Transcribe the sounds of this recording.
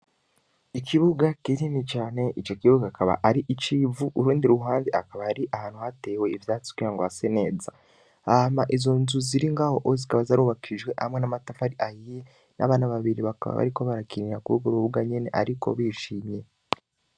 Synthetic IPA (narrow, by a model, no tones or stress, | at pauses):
ikʰiβuɡakininit͡ʃaːne̞it͡ʃo̞kiβuɡakaβa̰ʔaɾiʔit͡ʃivuʔuɾuːndiɾuɦaːnziakaβaaɾiʔahaːn̥huhate̞ːwe̞ivjaːt͡si̥kiaŋɡoβasene̞ːza | amaʔizo̞nzuziɾiŋɡaho̞ʔozikaβazaɾuβakʰiʒɡwe̞ʔhamŋe̞namatafaɾiʔajije | na̰βaːnaβaβiɾiβakaβa̰βa̰ɾiko̞βaɾakiniɲakuɾuɡuɾuβuɡaɲe̞ne̞̰ʔa̰ɾiko̰βiʃiːmɲe̞